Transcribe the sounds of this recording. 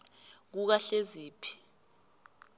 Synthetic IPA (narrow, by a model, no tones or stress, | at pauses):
k̬uk̬aɬeziːpʰi̥